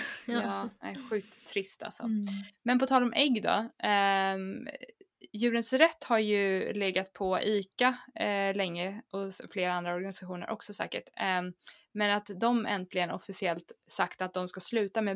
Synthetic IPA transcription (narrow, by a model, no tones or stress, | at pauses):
jɑːɛ̰ɧʉ̟ːt̪ʰːɾɪst̪a̰lsɔ̰mɛnpɔt̪ʰɑːlɔmʔɛɡːd̪ɔ̰ | jʉ̟ːɾənsɾɛt̪ːhaɾjɵleːɡat̪̚pʰɔʔiːkalɛŋːəɔfleːɾaand̪ɾaɔɾɡanɪsaɧuːnə̰ɾʔɔ̰ksɔsɛ̰ːkəʈ | mɛnat̪d̪ɔmʔɛ̰nt̪lɪɡənɔfɪsɪɛlt̪sakt̪at̪̚d̪ɔmskaslʉ̟ːt̪ame